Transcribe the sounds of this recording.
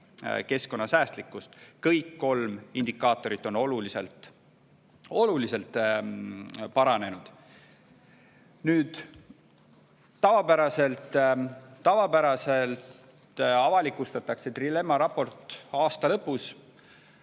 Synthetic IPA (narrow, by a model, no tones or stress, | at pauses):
ke̞sko̞nːɑsæːst̪likːˑust̪kɤjkːo̞lmind̪ikːˑɑːt̪ːˑo̞ɾit̪ːˑo̞no̞lulisḛlt̪ | o̞lulise̞lt̪ːˑ | pɑɾɑne̞nud̪̥ | nyːd̪̥ | ɑvɑpæɾɑse̞lt̪ː | ɑvɑpæɾɑse̞lt̪ | ɑvɑlikːˑust̪ɑt̪ːˑɑkset̪rile̞mːɑɾɑpːo̞rt̪ˑɑːst̪ɑlɤpːˑus